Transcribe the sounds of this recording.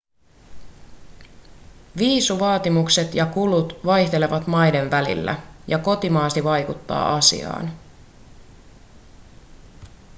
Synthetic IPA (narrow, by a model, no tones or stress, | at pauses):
ʋiːsuʋɑːt̪imukse̞t̪jɑkulut̪ʋɑjht̪e̞le̞ʋɑt̪mɑjde̞nʋælḭlːæ̰jɑko̞t̪imɑːst̪iʋɑjkut̪ːɑ̰ːɑsḭɑ̰ːn